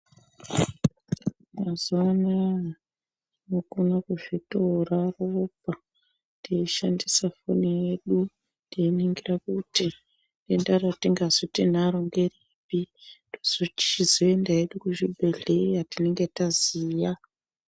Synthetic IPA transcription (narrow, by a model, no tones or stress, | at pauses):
mazoːna | nokunakuʐitoraropa | tdeiʃandisafo̰nije̞ɗu | ndeiniŋɡirakuti | dendaratiŋɡazotin̤aɾoŋɡeri | pidoz̥ot͡ʃi̥t͡ʃizoendae̞ɗukuʐibʱe̞ɮe̞jatine̞ŋɡe̞taziːja